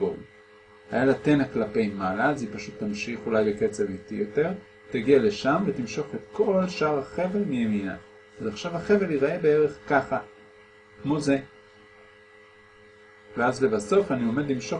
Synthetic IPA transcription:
o̰l | ha̰jalate̞naklape̞jmalazipaʃut̪ːamʃiχulajbeke̞t͡se̞vitḭjo̞te̞ʁ | taɡiale̞ʃamvet̪imʃo̞χe̞t̪kʰo̞lʃaʁhaχe̞velmijemina̰ | azaχʃavaχe̞ve̞liʁae̞beeʁe̞χkaχa | kmo̞ze̞ | veazle̞baso̞fanio̞med̪limʃo̞

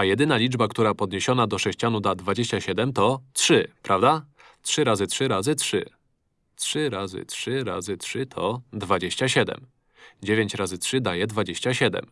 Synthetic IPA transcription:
ajɛd̪ɘnalʲid͡ʐbakt̪uɾapɔd̪ɲeɕɔnad̪ɔʂɛɕt͡ɕanud̪ad̪vad͡ʑeɕt͡ɕaɕɛd̪ɛmt̪ɔtʂɘpɾʔavd̪a | tʂɘɾazɘtʂɘɾazɘtʂɘ̰ | tʂɘɾazɘ̰tʂɘɾa̰zɘtʂɘt̪ʰɔd̪vad͡ʑeɕt͡ɕaɕɛd̪ɛ̰m | d͡ʑevʲeɲt͡ɕɾazɘtʂɘd̪ajɛd̪vad͡ʑeɕt͡ɕaɕɛd̪ɛ̰m

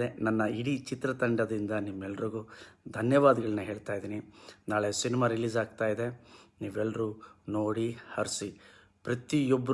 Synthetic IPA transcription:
enɐnːɐiɽit͡ʃit̪ɾɐt̪ɐɳɖɐd̪ɾind̪ɐnimːɛlːɐɾiɡud̪ʱɐnjɐʋaːd̪ɐɡɐɭɐnːɐɦe̞ːɭt̪aːjd̪iːninaːɭesinimaːɾiliːzaːɡ̚t̪aːjid̪e̞niːʋɛlːɐɾuno̞ːɽihɐɾsi | pɾɐt̪iɔbːɐ

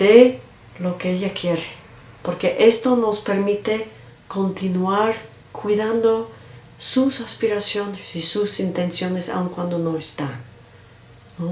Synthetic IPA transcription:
d̪̥e | lo̞keeʎakje̞ɾe | po̞ɾke̞ʔest̪o̞no̞spe̞ɾmit̪e | ko̞nt̪inwaɾ | kʰwiðand̪o̞ | susaspiɾasjo̞nesisusint̪e̞nsjo̞nesa̰uŋkwand̪o̞no̞est̪anː | o

